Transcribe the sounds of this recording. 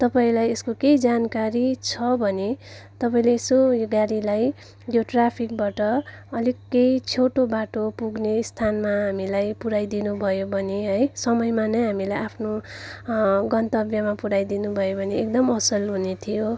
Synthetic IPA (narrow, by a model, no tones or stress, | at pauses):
t̪ʌpaĩlajeskokejd͡zankaɾit͡sʰʌbʱʌnet̪ʌpaĩleːsojɡaɾilaj | joʈrapʰik̚baʈʌ | ʌlikːejt͡sʰoʈobaʈopuɡnest̪ʰanmaɦamilajpuɾajd̪inubʱʌjobʱʌneɦʌjsʌmʌjmanʌjɦamilajʔapʰno | ɡʌnt̪ʌbjamapuɾajd̪inubʱʌjobʱʌneːk̚d̪ʌmʌsʌlɦunet̪ʰijo